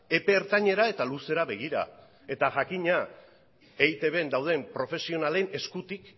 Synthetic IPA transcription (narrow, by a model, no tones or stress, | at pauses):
e̞pe̞ːɾt̪aɲe̞ɾae̞t̪aluse̞ɾaβe̞ɣ̞iɾa̰ | e̞t̪aʝakiɲa | ejt̪e̞βe̞nd̪awð̞e̞mpɾo̞fe̞sio̞nale̞ne̞skut̪ik